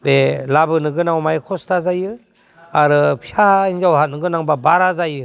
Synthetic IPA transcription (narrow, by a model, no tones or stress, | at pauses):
belabɯnɯɡɯnawmajkʰɔstʰazajɯ | aɾɯpʰiainzawhat̚nɯɡɯnaŋbabaɾazajɯ